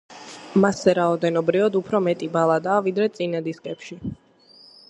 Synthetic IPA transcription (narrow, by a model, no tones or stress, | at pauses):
masːɛɾaɔd̪ɛnɔbɾivad̪upʰɾɔmɛt̪ʼibalˠad̪aːvid̪ɾɛt̪sʼinad̪iskʼɛpʃi